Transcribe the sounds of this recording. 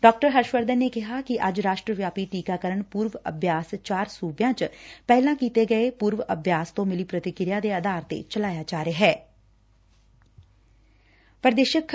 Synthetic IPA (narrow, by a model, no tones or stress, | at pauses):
ɖɔːk̚ʈəɾɦəɾʃʋəɾd̪ənːeːkɪɦaːkɪʔɐd͡ʒɾaːʃʈɾəʋjaːpiʈiːkaːkəɾəɳpuːɾʋə̰bʱjaːst͡ʃaːɾsuːbjãːt͡ʃpɛːlãːkiːt̪eɡəepuːɾʋʔəbʱjaːst̪õːmɪliːpɾət̪ɪkɪɾjaːd̪eːəd̪aːɾt̪ḛːt͡ʃəlaːjaːd͡ʒaːɾeɦɛː | pɾd̪eːʃəkʰ